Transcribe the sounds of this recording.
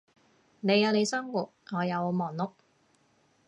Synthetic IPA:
ne˨˧jɐ˨˧wne˨˧jsɐ˥mwuː˨˩t̚ŋɔː˨˧jɐ˨˧wmɔː˨˩ŋlʊ˨k̚

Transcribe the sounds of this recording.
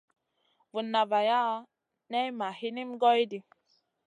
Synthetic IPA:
vu˨nːa˨va˨ja˦ | nɛ˦jma˨hi˦ni˦m˦ɡɔ˦i˦di˨

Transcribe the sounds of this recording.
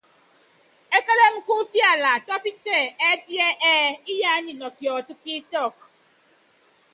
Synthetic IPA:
e˦ke˦ɾe˦m̩˦ku˦fi˦a˨la˨tɔ˦pi˦te˦˨e˦di˦e˦ʔɛ˦i˦ja˦ɲi˨nɔ˨ki˨ɔ˨tu˦ki˦tɔ˦˨k

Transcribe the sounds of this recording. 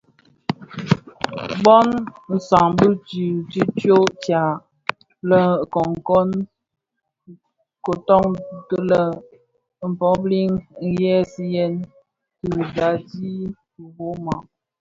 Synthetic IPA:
bɔ˦nn̩˨sa˨ŋbə˦ti˨ti˦tjo˦tja˨ | lə˦˨kɔ˨ŋ˨kɔ˦n | ko˨tɔ˦ŋ˨tə˦lə˦ | m̩˨pɔ˦bli˦ŋŋ̩˦jɛ˦si˦jɛ˦n | ti˨da˨di˦˨ | bo˦ma˨

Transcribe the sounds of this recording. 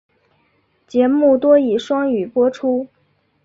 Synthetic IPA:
t͡ɕjɛ˧˥mu˥˩t̪wɔ˥i˨˩ʂwɑ˥ŋy˨˩pwɔ˥ʈ͡ʂʰu˥

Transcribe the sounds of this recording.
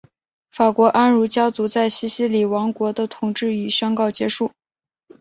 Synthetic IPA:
fa˨˩kwɔ˧˥ʔa˥nɻu˧˥t͡ɕjɑ˥ʊt͡su˧˥t͡sa˥˩ɪɕi˧˥ɕi˥li˨˩wɑ˧˥ŋkwɔ˧˥d̪ə˧t̪ʰʊ˨˩ŋʈ͡ʂɻ̩˥˩y˨˩ɕɑ˥ŋkɑ˥˩ʊt͡ɕjɛ˧˥ʂu˥˩

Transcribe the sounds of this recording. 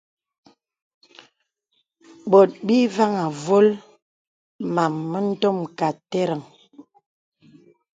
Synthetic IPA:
ɓɔ˨t̚bi˦va˦ŋa˨vo˦l | ma˨mːə˦n̩˦tɔ˦mka˨te˦ɾə˨ŋ

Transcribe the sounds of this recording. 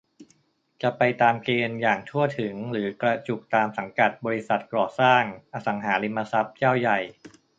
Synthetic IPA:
t͡ɕa˨˩pa˧jt̪aː˧mkeː˧njaː˨˩ŋt̪ʰu˥˩ət̪ʰɯ˩˦ŋɾɯː˩˦kɾa˧t͡ɕu˨˩k̚t̪aː˧msa˩˦ŋka˨˩t̪̚bɔː˧ɾi˧˥sa˨˩t̪̚kɔː˨˩saː˥˩ŋʔa˧sa˩˦ŋɦaː˩˦li˧mːa˧sa˦˥p̚t͡ɕaː˥˩wja˨˩j

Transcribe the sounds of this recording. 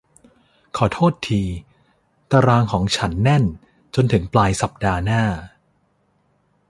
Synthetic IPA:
kʰɔː˩˦t̪ʰoː˥˩t̪ʰːiː˧ | t̪aː˧ɾaː˧ŋkʰɔː˩˦ŋt͡ɕʰa˦˥nːɛ˥˩n | t͡ɕo˧nt̪ʰɯ˩˦ŋplaː˧jsa˨˩p̚daː˧naː˥˩

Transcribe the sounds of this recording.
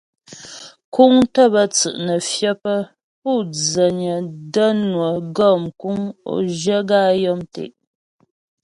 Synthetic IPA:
ku˦ŋtə˦bə˦t͡sɨ̰˨ʔnə˨fjə˦pə˦ | pu˦˨d͡zə˨ɲə˨də˦nwə˨ɡɔ˦˨mku˦ŋo̰˨ʒə˦ɡaː˦˨jɔ˦mtḛ˨ʔ

